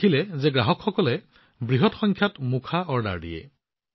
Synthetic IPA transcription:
ilɛzɛɡɹaɦɔkxɔkɔlɛ | bɹiɦɔtxɔŋkʰjatmukʰaɔɹda̰ɹdḭjɛ̰

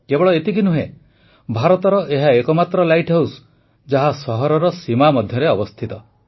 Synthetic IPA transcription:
kebɔɭɔet̪ikinuɦe | bʱaɾɔt̪ɔɾɔʔeɦaekɔmat̪ɾɔlajʈɦews | d͡ʒaɦasɔɦɔɾɔɾɔsimamɔd̪ʱjɔɾeɔbɔst̪ʰit̪ɔ

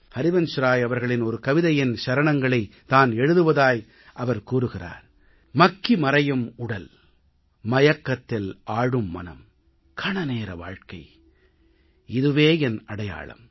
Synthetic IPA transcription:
pɐɾɪʋɐnʃɾaːjɐʋɐɾɣɐɭɪnɔɾɯkɐʋɪðɐjɪnʃɐɾɐɳɐŋɡɐɭɐɪt̪aːnɛɻɯðɯʋɐðaːj | ʔɐʋɐɾkuːrɯɣɪra̰ːɾ | mɐkːimɐɾɐjɯmʊɽɐl | mɐjɐkːɐt̪ːɪlʔaːɻɯmːɐ̰nɐ̰m | kʰɐɳɐneːɾɐ̰ʋa̰ːɻkɐɪ | ɪðɯʋeːɛnɐɽɐja̰ːɭɐ̰m

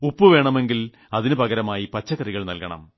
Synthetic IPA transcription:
upːɨʋe̞ːɳɐme̞ŋɡil | ɐðinɨpɐɣɐɾɐmaːjipɐt͡ɕːɐkɐriɣɐɭnɐlkɐɳɐ̰m

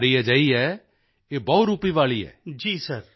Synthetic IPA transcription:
ɾiɛd͡ʒaːiɛː | eːbɔʊɾuːpiʋaːɭiɦɛ̰ːd͡ʒiːsɐɾ

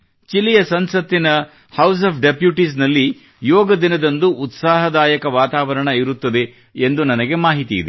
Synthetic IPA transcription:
t͡ʃilijɐsɐnsɐt̪ːinɐ | hɐws̬ɐːpʰɖepjuʈisnɐlːi | jɔːɡɐd̪inɐd̪ɐnd̪uʔːt̪saːɦɐd̪aːjɐkɐʋaːt̪aːʋɐɾɐɳɐiɾut̪ːɐd̪e̞ | end̪unɐnɐɡe̞maːɦit̪iḭd̪e

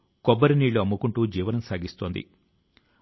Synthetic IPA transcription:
kɔbːɐɾiniːɭːuɐmːukuɳʈuːd͡ʒiːʋɐnɐmsaːɡist̪o̞ːnd̪ḭ

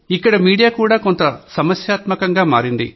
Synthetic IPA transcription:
ikːɐɽɐmiːɽijaːkuːɽaːko̞nt̪ɐsɐmɐsjaːt̪mɐkɐŋɡaːma̰ːɾind̪ḭ

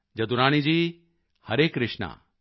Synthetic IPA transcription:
d͡ʒɐd̪uɾaːɽ̃id͡ʒiː | hɐɾeːkɾɪʂɳa̰ː

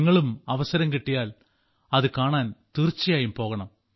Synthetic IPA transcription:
ŋːɐɭumɐʋɐsɐɾɐmkiʈːijaːl | ɐðɨkaːɳaːnt̪irt͡ɕːijaːjumpo̞ːɣɐɳɐm

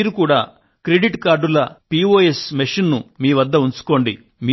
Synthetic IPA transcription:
ɾukuːɽaː | kɾeɖiʈkaːɾɖulɐpioːesmeʂinnumiːʋɐd̪ːɐunt͡ʃu̥ko̞ːɳɖḭ | miː

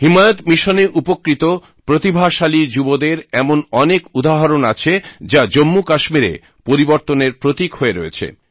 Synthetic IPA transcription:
ɦimajot̪miʃoneʔupokɾit̪o | pɾot̪ibʱaʃalid͡ʑubod̪eɾɛmonɔnekud̪aɦaɾonat͡ɕʰed͡ʑad͡ʑomːukaʃmiɾḛ | poɾiboɾt̪oneɾpɾot̪ikɦoeɾoet͡ɕʰḛ

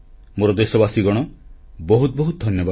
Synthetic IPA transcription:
moɾɔd̪esɔbasiɡɔɽ̃ɔ | bɔɦut̪bɔɦut̪̚d̪ʱɔnjɔba

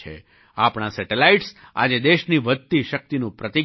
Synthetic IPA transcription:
ḛ | apɳasɛʈelaiʈs | a̰d͡ʒed̪eʃniʋəd̪̚t̪iʃək̚t̪inũpɾət̪i

